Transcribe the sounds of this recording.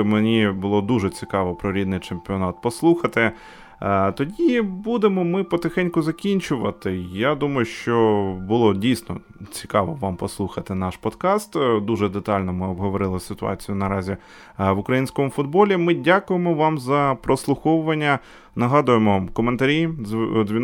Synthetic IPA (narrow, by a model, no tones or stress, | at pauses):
menʲibʊlˠɔd̪uʒɛt͡sʲikɑʋɔpɾɔɾʲid̪nɪjt͡ʃempʲiɔnɑt̪̚pɔslˠuxɐt̪ɪ | t̪ɔdʲibud̪emɔmɪpɔt̪exɛnʲkʊzɐkʲinʲt͡ʃʊʋɐt̪ɪjad̪umɐjʊʃt͡ʃɔbʊlˠɔdʲijsnɔ̰ | t͡sʲikɑʋɔʋɑmpɔslˠuxɐt̪ɪnɑʃpɔd̪kɑst̪d̪uʒɛd̪et̪ɑlʲnɔmɪɔbɦɔʋɔɾɪlˠɪsɪt̪ʊɑ̰t͡sʲijʊnɐɾɑzʲi | ʋʊkɾɐjinʲsʲkɔmʊfʊd̪̚bɔlʲimɪdʲakʊjemɔʋɑmzɐpɾɔslˠʊxɔwʊʋɐnʲːɐ | nɐɦɑd̪ʊjemɔkɔment̪ɐɾʲizʲʋʲi